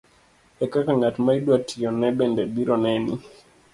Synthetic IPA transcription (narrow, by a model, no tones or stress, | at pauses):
ɛkakaŋatmaidwatʰijɔnɛbɛndɛdiɾɔnɛni